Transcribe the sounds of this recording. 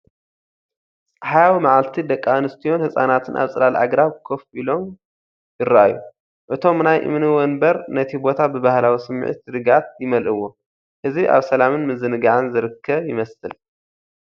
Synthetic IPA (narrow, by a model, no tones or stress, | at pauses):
ħajawimaʕalt̪ʰid̪ɐkʼːanɨst̪ʰijonhɨsʼanat̪ʰɨnʔa̰βsʼɨlalʔa̰ɡɾaβkʰofilo̞m | jɪɾaʔaju | ʔɨt̪ʰo̞mnajʔɨ̰mnɨwɔnbɐɾnɐt̪ʰibo̞t̪ʰabɨbahlawisɨmːʕɨ̰t̪̚ɨd̪ɨɡat̪̚jɪmɐlʔɨwːo | ʔɨziʔa̰βsɐlamɨnmɨzɨnɨɡaʕɨnzɨɾɨkʰːɐβjɪmɐsɨl